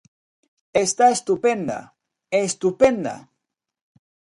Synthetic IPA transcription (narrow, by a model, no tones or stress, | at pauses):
est̪aest̪upend̪a̰ | est̪upend̪a̰